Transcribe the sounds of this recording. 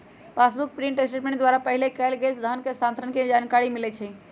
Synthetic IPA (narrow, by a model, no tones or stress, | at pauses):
pasbuk̚pɾiɳʈesʈeʈmẽɳʈd̪ʋwaɾapəɦilekɛlɡesd̪ʱənkest̪ʰant̪ʰɾənked͡ʒankaɾimilɛt͡ʃʰɛ